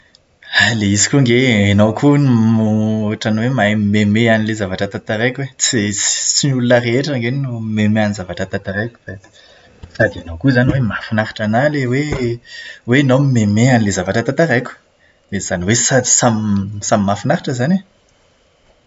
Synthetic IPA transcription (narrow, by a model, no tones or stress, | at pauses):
aleizikʲuŋɡeenawkʰunumoaʈ͡ʂanwemamemeanilezavaʈ͡ʂat̪at̪aɾejkwet͡sit͡si̥t͡simulunərieʈ͡ʂaŋɡennumemeanizavaʈ͡ʂat̪at̪aɾajkʲu̥d̪̥a | sad̪ianawkuzaniwemafinaɾḁʈ͡ʂanalewe | wenowmimemeanilezavaʈ͡ʂət̪at̪aɾejkʲu̥ | d̪ez̥aniwesḁsamsamimafinaɾaʈ͡ʂəzane